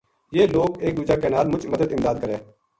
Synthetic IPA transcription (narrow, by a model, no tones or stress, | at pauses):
jeːloːkeːk̚d̪uːd͡ʒaːkenaːlmʊt͡ʃməd̪əd̪ɪmd̪aːd̪̚kəɾeː